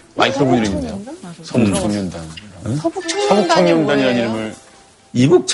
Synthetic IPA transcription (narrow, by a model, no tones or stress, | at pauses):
ma̰ikʰɯbuiɾɯŋindejosʰaot͡ɕʰaŋɲʌndan | sʰaŋok̚t͡ɕʰaŋɲʌndaɲiɾaniɾɯmɯɾ | ibuk̚t͡ɕʰ